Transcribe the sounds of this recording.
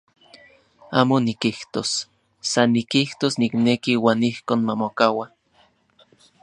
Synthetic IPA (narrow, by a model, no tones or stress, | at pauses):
aːmonikiht̪osː | anːikiht̪osniknekiwaːnihkoːnmamokawa